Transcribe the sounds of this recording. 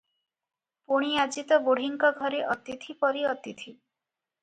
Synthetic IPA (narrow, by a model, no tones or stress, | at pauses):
poɽ̃iad͡ʒit̪ɔboɽ̤iŋkɔɡʱɔɾeʔɔt̪it̪ʰipɔɾiɔt̪it̪ʰi